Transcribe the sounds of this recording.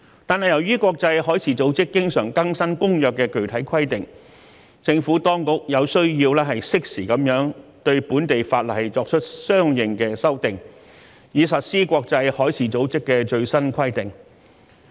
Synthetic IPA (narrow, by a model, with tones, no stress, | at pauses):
t̪aː˨nɦɐ˨jɐ˨˩wjyː˥kʷɔː˧k̚t͡sɐ˧jhɔː˨˥jt͡sʰiː˨˥t͡so˨˥wt͡sɪ˥kːɪ˥ŋsœ̰ː˨˩ŋkɐ˥ŋsɐ˥nkʊ˥ŋjœː˨kːɛː˧kɵ˨˩ɥt̪ʰɐ˨˥jkʰɐ˥jt̪ɪ˨ŋ | t͡sɪ˧ŋfuː˨˥t̪ɔː˥ŋkʊ˥k̚jɐ˨˧wsɵ˥ɥjiː˧wlɛː˥ɦɐ˨jsɪ˥k̚siː˨˩kɐ˨˥mjœː˨˥ŋt̪ɵ˧ɥpuː˨˥nt̪e˨jfaː˧t̚lɐ˨˩jt͡sɔː˧k̚t͡ʃʰɵ˥t̚sœː˥ŋjɪ˨ŋkɛː˧sɐ˥wt̪ɪ˨˩ŋ | jiː˨˧sɐ˨t̚siː˥kʷɔː˧k̚t͡sɐ˧jhɔː˨˥jt͡sʰiː˨˥t͡so˨˥wt͡sɪ˥kːɛː˧t͡ʃɵ˧ɥsɐ˥nkʰɐ˥jt̪ɪ˨ŋ